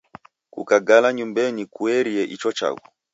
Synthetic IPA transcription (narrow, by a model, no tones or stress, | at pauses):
kṵkaɡalaɲumbɛnikuɛɾiɛʔit͡ʃɔt͡ʃa̰kɔ